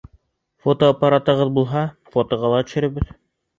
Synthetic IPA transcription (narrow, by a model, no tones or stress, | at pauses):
fot̪oːpɑɾɑt̪ɤ̆ʁɤðbulˠɦɑ | fot̪ŏʁɑlˠɑt̪ɵ̥̆ʃɘ̆ɾɘ̆βɘð